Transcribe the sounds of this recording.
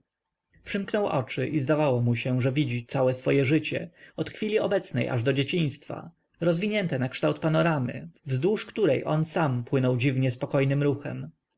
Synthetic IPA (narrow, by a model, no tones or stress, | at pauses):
pʂɘmknɔwʔɔ̰t͡ʂɘʔizd̪avawɔmuɕɛ̃ʐɛvʲid͡ʑit̪sawɛsfɔjɛʐɘt͡ɕɛ̰ɔt̪xfʲilʲiɔbɛt̪snɛ̰jʔa̰ʐd̪ɔd͡ʑet͡ɕĩj̃st̪fa̰ | ɾɔzvʲiɲɛnt̪ɛnakʂt̪awt̪̚panɔɾamɘ̰vzd̪wuʂkt̪uɾɛjʔɔnsampwɘnɔwd͡ʑivɲɛspɔkɔjnɘmɾuxɛ̰m